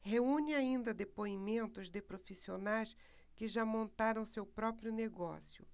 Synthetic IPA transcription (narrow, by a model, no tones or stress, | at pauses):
heũnɪaĩnd̪ɐd̪epoimẽnt̪ʊzd̪ɪpɾofisionajs | kɪʒamõnt̪aɾɐ̃w̃sewpɾɔpɾjʊneɡɔ̰sjʊ̰